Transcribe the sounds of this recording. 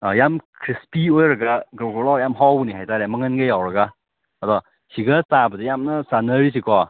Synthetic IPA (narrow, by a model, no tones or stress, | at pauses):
ajamkʰɾispiojɾɯɡaɡɔɡɔlɔjamɦɔbuniɦajtaɾɛmɯŋənɡejawɾaɡa | adɔ | ɕiɡɯt͡sabədijamnasanəɾisʰikwɔ